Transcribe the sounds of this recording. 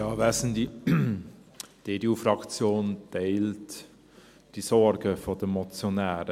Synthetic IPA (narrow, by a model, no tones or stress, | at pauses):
jɑːʋæsn̩di | d̥eːdeuːfɾɑkt͡sjoːnd̥eɪlt | d̥isɔɾɡəfoːd̥əmɔt͡sjonæːɾə